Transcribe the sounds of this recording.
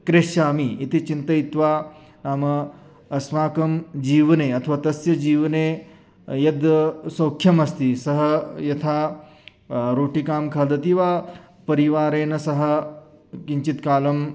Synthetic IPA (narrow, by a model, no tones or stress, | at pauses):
kɾeʂaːmiit̪it͡ʃint̪ɐit̪ʋaː | naːmɐ | ɐsmaːkɐmd͡ʒiːʋɐneːɐt̪ʰɐʋaːt̪ɐsjɐd͡ʒiːʋɐneː | jɐd̪sɐːkʰjɐmɐst̪isɐɦɐjɐt̪ʰaː | ɾoːʈikaːmkʰaːd̪ɐt̪iʋaː | pɐɾiʋaːɾeːnɐsɐɦɐ̆kiɲt͡ʃit̪kaːlɐm